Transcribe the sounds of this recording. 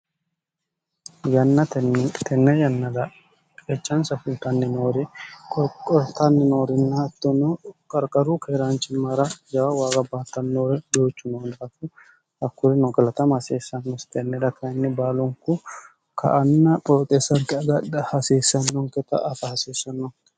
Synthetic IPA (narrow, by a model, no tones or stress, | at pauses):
jɐnːɐt̪ɛnːɛjɐnːɐd̪ɐ | ket͡ʃːɐnsɐfʊlt̪ɐnːɪnoːɾɛkʼɔkʼɔɾt̪ɐnːɪnoːɾɪnːɐɐt̪ːɔnɔkʼɐɾkʼɐɾukɛɾaːnt͡ʃɪmːɐɾɐd͡ʒɐwawaːɡʼɐbɐɐt̪ːɐnːoːɾɛd̪oːt͡ʃːʊnoːnɐtːʊ | hɐkːʊɾɪnɔɡɐlɐt̪ɐmhɐseːsːɐnːɔst̪ɛnːɛd̪ɐkʰɐnːɛbaːlɔŋkʊ | kʰɐ̰ʔɐnːɐpʼoːt̪ʼesːɐŋkɛɐɡɐdɐhɐseːsːɐnːɔŋkɛt̪ɐ̰ʔɐfɐhɐseːsːɐnːɔ